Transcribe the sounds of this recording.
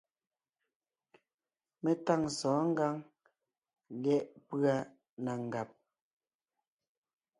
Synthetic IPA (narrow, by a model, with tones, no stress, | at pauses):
me˦ta˦˨ŋsɔː˨˦ŋ̩˦ɡa˦ŋ | lɛ˦ʔpɰa˦ | na˨ŋ̩˨ɡa˨p̚